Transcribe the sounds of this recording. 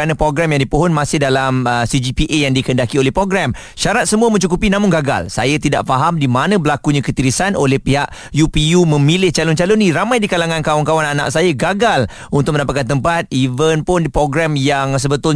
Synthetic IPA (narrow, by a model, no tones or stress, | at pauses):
anə̃pɾoɡɾɛmjaŋdipoɦɔnmãsɪhdalaməsid͡ʒipiʔejaŋdikəndakiolɛhpɾoɡɾɛm | ʃaɾat̪̚səmuəmə̃ɲt͡ʃukupinãmʊŋɡaɡa̰lsa̰jət̪ida̰ʔfaɦamdimanə̃bəlakuɲãkət̪iɾisanʔolɛhpiɦaʔ | jupijumə̃milɪht͡ʃalʊnt͡ʃalonĩɾamajdikalaŋãnkawankawananã̰ʔsajaɡaɡal | unt̪ʊk̚məndapat̪̚kant̪əmpat̪̚ivənpʊndipɾoɡɾɛmjaŋs̬əbət̪ʊl